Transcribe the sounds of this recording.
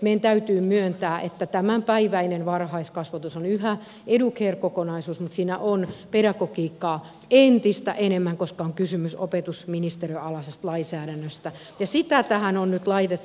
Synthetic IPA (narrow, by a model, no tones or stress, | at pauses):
meiænt̪æyt̪yːmyønt̪æːʔet̪ːæt̪æmæmpæiʋæinenʋɑrhɑiskɑsʋɑt̪usonyhæ | edukheːrkokonɑisuːsmut̪siːnæʔonpeɾɑkokiːkːɑː | ent̪ist̪æ̰ʔenemːæŋkoskɑoŋkysymysopet̪usminist̪eriøɑlɑsest̪lɑinsæːɾænːøst̪æ | jɑsit̪æt̪æhænonnyt̪lɑit̪et̪ː